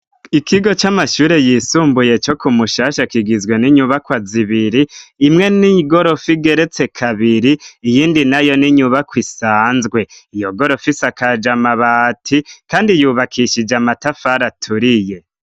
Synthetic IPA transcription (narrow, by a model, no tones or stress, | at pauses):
ikʰiɡo̞t͡ʃamaʃuːɾe̞jiːsuːmbuje̞t͡ʃo̞kumuʃaːʃakiɡizɡwe̞niɲuβakwaziβiɾiːmŋe̞niɡo̞ɾo̞fiɡe̞ɾe̞t͡se̞kʰaβiɾiːjiːndinajo̞niɲuβakwisaːnzɡwe̞ijo̞ɡo̞ɾo̞fisakad͡ʒamaβatʰikaːndijuːβakʰiʃid͡ʒamatafaɾatʰuɾije̞